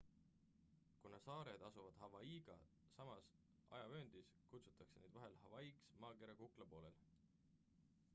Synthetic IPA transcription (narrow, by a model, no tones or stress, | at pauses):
kunɑsɑːɾe̞d̪̥ɑsuvɑd̪̥hɑvɑiːɡ̥ɑ̰ | sɑmɑs | ɑ̰jɑvø̞ːnd̪̥iskut̪su̥t̪ːˑɑksenejd̪̥vɑɦelhɑvɑiksmɑːɡeɾɑkuklɑpo̞ːle̞l